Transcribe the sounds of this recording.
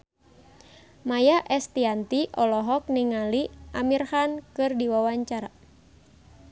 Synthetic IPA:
majaʔɛst̪iant̪iʔɔlɔɦɔk̚niŋaliʔamirhankɨrdiwawaɲt͡ʃaɾa

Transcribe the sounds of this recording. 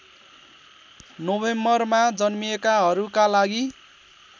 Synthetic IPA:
nobemʌrmad͡zʌnmiekaɦʌɾukalaɡi

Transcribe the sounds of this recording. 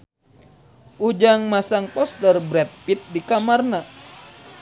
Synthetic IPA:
ʔud͡ʒaŋmasaŋpɔst̪ərbɾɛt̪̚pit̪̚dikamarna

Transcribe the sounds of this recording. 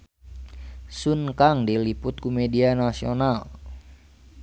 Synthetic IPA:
sunkaŋdilipʊt̪̚kumedianasional

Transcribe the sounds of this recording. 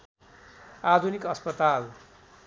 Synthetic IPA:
ad̪ʱunikʌspʌt̪al

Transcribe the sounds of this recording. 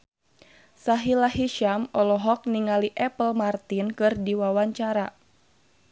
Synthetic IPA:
saɦilaɦiʃamɔlɔɦɔk̚niŋaliʔɛpəlmart̪inkɨrdiwawaɲt͡ʃaɾa

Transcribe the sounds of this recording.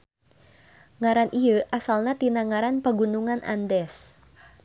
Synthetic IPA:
ŋaɾanʔiəʔasalnat̪inaŋaɾanpəɡunuŋanʔa̰ndɛs

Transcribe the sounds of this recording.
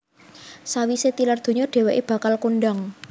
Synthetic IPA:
sawiset̪ilard̪̥o̤ɲɔɖ̥e̤wɛʔeb̥ä̤kalkunɖaŋ

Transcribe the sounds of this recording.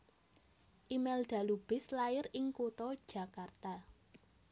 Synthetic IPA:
ʔimɛld̪̥ä̤lub̥ɪslaɪɾɪŋkut̪ɔd̥ʒ̥ä̤kart̪a

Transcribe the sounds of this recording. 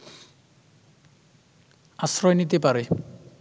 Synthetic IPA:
asɾɔjnit̪̬epaɾe

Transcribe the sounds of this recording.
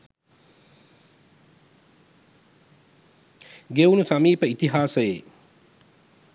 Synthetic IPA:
ɡeunusɐmiːpəit̪iɦaːsəjḛ

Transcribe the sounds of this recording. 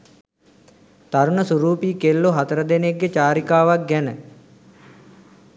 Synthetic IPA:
t̪aɾunəsuɾuːpiːkelːoɦat̪əɾəd̪eneɡːet͡ʃaːɾikaːʋak̚ɡɛnə

